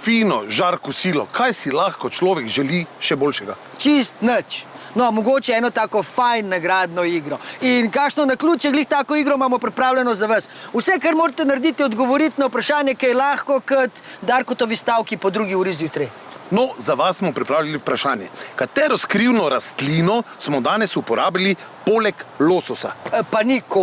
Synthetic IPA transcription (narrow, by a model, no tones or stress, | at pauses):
fiːnɔʒaɾkɔsiːlɔ̰kʰajsilaxkɔt͡ʃlɔːʋɛkʒɛliʃɛboːlʃɛɡa | t͡ʃist̪nət͡ʃ | nɔmɔɡoːt͡ʃɛɛːnɔt̪aːkɔfajnːaɡɾaːd̪nɔiːɡɾɔinkaːkʃnɔnakluːt̪t͡ʃɛɡliːxt̪aːkɔiɡɾɔmamɔpɾipɾaːwlʲɛnɔzaʋasusɛkaɾmoːɾat̪ɛnaɾd̪it̪jɛɔd̪ɡɔʋɔɾit̪nɐwpɾaʃaːnjɛkɛjɛlaːxkɔkət̪d̪aɾkɔt̪ɔʋist̪awkipɔd̪ɾuɡiuːɾizjuːt̪ɾi | nɔzaʋasːmɔpɾipɾaːwlaliupɾaʃaːnjɛ̰kat̪ɛːɾɔskɾiwnɔɾast̪linɔsmɔd̪aːnɛsupɔɾʔaːbili | polɛkloːsɔsa̰paniko